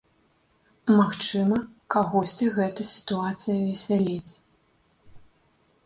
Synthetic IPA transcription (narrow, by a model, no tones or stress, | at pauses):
maxt͡ʂɨmɐkaɣɔsʲt͡sʲiɣɛt̪ɐsʲi̥t̪uat̪sɨjɐvʲɛsʲalʲit͡sʲ